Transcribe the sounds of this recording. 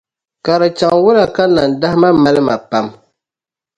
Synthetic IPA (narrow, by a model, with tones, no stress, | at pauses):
ka˨ɾɨ˨t͡ʃa˨ŋwʊ˦la˨ka˦na˨n˨da˦hɪ˦ma˦ma˦lɨ˦ma˨pa˦m